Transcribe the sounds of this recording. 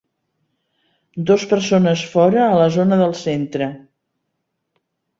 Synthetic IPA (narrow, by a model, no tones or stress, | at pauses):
d̪ospərsonəsfɔɾəːləzonəðəlˠsent̪ɾə